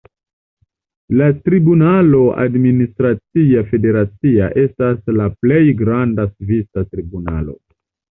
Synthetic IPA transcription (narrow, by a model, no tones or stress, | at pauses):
latɾibunalo̞a̰dministɾat͡siafe̞de̞ɾat͡siaʔe̞staslaple̞jɡɾandasvisatɾibuna̰lo̞̰